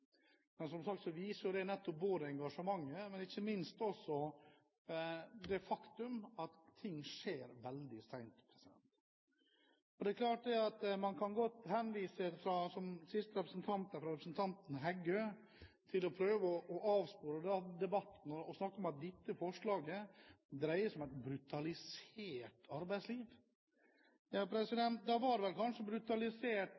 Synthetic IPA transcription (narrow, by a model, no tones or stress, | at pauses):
mɛnsɔmsɑk̚t̪sɔʋiːsʊd̪ɛnɛt̪ːɔp̚boːd̪əɛŋɡɑʂəmɑŋːəmɛnɪçːəmɪnst̪ɔsːɔ | d̪ɛfɑkt̪ʉmɑt̪ʰːɪŋːʂeːɾʋɛld̪ɪsæɪnt̪pʰɾɛsɪd̪ɛ̰nt̪ | ɔd̪ɛkʰlɑːʈ̚d̪ɛɑt̪mɑnkʰɑnɡɔt̪ːhɛnʋiːsəfɾɑsɔmsɪst̪əɾɛpɾəsnt̪ʰɑnt̪hæɾfɾɑɾɛpɾəsn̩t̪ʰɑnt̪n̩ɦæɡø | t̪ʰɪlɔpʰɾøːʋəɔʔɔʔɑːʋspoːɾəd̪ɛd̪ɛbɑt̪ːn̩ɔːsnɑkːɔmɑt̪̚d̪ɪt̪ːəfɔʂɭɑːɡəd̪ɾæɪəsɔmæɪt̪̚bɾʉt̪ɑlɪseːʈʰɑɾbæɪsliːʋ | jɑpʰɾɛsɪd̪ɛnt̪̚d̪ɑʋɑɾʋɛlkʰɑnʂəbɾʉt̪ɑlɪseːʈ